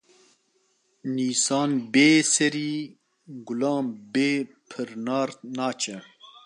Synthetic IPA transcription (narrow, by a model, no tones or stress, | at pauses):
niːsɑːnbeːsɛɾiː | ɡʊlɑːmbeː | pʰɨɾnɑːɾnɑːt͡ʃʰɛ